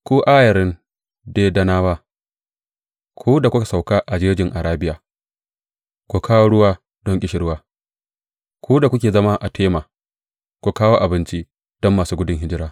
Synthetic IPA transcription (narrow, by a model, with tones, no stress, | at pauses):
kʷuː˦ʔaː˦jɐ˨ɾɪ˦n | deː˦dɐ˦naː˦waː˦ | kʰʷuː˦da˨kʷʊ˦ka˨sa˨wka˦ʔa˨d͡ʒeː˦d͡ʒʲɪ˨ŋʔa˨ɾaː˦bɪ˦jaː˨ | kʷu˨kʰaː˦woː˦ɽʊ˦waː˦ | d̥ɔ˦ŋkʲʼɪ˦ʃɪ˨ɾwaː˦ | kʰʷuː˦da˨kʷʊ˦kʲeː˨zɐ˦ma˦ʔa˨tʰeː˦maː˨ | kʷu˨kaː˦woː˦ʔa˨bɪ˦nt͡ʃi˦ | d̥ɔ˦mːaː˨suː˦ɡʊ˦dɪ˨ŋɦɪ˦d͡ʒɪ˦ɾaː˦